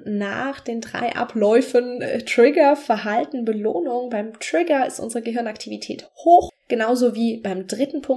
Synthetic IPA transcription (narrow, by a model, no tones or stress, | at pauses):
naːχd̥eːndʁa̰ɪʔa̰plɔʏfəntʁ̥ɪɡɐfɛɐɦaltn̩bəlo̰ːnʊŋbaɪmtʁ̥ɪɡɐɪ̰stʔʊ̰nzəʁəɡəɦɪɐnaktʰivitʰɛ̰ːt | hoːxɡ̥ənaʊzoːviːb̥aɪmdʁɪtn̩pʰʊŋ